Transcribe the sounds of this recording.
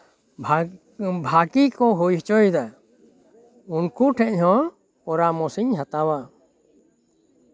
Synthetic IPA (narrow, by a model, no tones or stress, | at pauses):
bʱakikɔɦujɦɛt͡ʃɔjd̪a | unkuʈʰɛchɔ̃ | ɔɾamɔsiɲɦat̪awa